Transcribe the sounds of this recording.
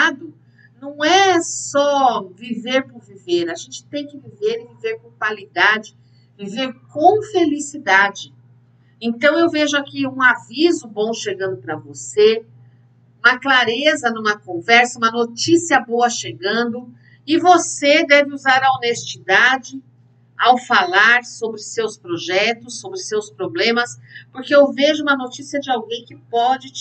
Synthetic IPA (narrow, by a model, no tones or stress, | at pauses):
ad̪ʊ | nɐ̃w̃ɛsɔviveɾpʊɾviveɾaʒẽnt͡ʃɪ̥t̪ẽj̃kɪviveɾɪviveɾkõpalid̪ad͡ʒɪ | viveɾkõw̃felisid̪ad͡ʒɪ | ẽnt̪ɐ̃w̃ewveʒʊakiũavizʊbõw̃ʃeɡɐ̃nd̪ʊpɾɐvose | ũmɐklaɾezɐnũmɐkõvɛɾsɐũmɐnot͡ʃisiɐboɐʃeɡɐ̃nd̪ʊ | ɪvosed̪ɛvɪuzaɾɐonest͡ʃid̪ad͡ʒɪ | awfalaɾsobɾɪsewspɾoʒɛt̪ʊsːobɾɪsewspɾoblẽmɐspoɾkeewveʒʊũmɐnot͡ʃisiɐd͡ʒɪawɡẽj̃kɪpɔd͡ʒɪ